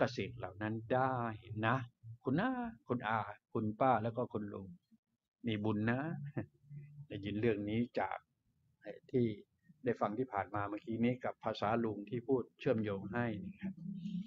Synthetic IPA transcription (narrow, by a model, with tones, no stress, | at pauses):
ka˧se˨˩k̚la˨˩wna˦˥ndaː˥˩he˨˦nːa˦˥kʰu˧nʔaː˧˥˩kʰu˧nʔaː˧kʰu˧npaː˥˩lɛː˦˥wkɔː˥˩kʰu˧nlu˧ŋ | niː˧˩bu˧nːa˦˥ | lɛ˧˩jɯ˨˩nɾɯ˥˩əŋniː˦˥t͡ɕa̰ː˨˩k̚ | ha˧˩t̪ʰiː˥˩ | da˥˩jfa˧ŋt̪ʰiː˥˩pʰaː˨˩nmaː˧maː˧˥˩kiː˦˥niː˦˥ka˨˩pʰːaː˧saː˩˦lu˧ŋt̪ʰiː˥˩pʰuː˥˩t̪̚t͡ɕʰɯ˥˩əmjoː˧ŋɦa˥˩jni˧˩kʰa˦˥p̚